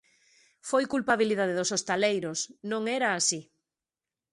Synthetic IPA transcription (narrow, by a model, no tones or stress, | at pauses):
fojkulpaβ̞iliðað̞eðosost̪alejɾosnõŋɛɾaːsi